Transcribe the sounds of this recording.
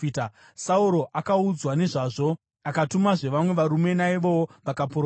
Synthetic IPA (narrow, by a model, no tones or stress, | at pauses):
ita | sauɾo̞ʔʔakaud͡zwane̞ʐaːʐo̞ | akatumaʐe̞ʋamwe̞ʋaɾume̞naiʋo̞woʋakapoɾ